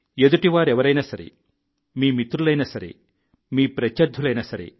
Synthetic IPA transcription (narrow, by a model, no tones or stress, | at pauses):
ed̪uʈiʋaːɾɛʋɐɾɐjnɐsɐɾḛ | miːmit̪ɾulɐjnɐsɐɾḛ | miːpɾɐt͡ʃːɐɾd̪ʱːulɐjnɐsɐɾḛ